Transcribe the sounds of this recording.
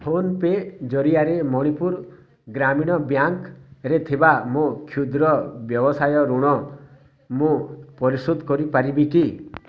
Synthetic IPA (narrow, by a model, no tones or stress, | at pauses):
hʰonped͡ʒɔɾijaɾemɔɽ̃ipuɾ | ɡɾamiɽ̃ɔbjaŋkɾet̪ʰibamũkʰjud̪ɾɔbjɔbɔsajɔɾuɽ̃ɔ | mũpɔɾisud̪kɔɾipaɾibiki